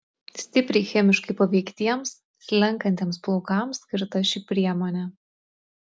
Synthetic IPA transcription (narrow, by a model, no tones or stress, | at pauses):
sʲt̪ʲɪpʲɾʲɛɪxʲɛmʲɪʃkɐɪpɐʋʲɛɪkt̪ʲiɛms | lʲɛŋkɐnʲt̪ʲeɛmsplˠoːkɑˑmsʲkʲɪɾt̪ɐʃʲipʲɾʲiɛmɔːnʲɛ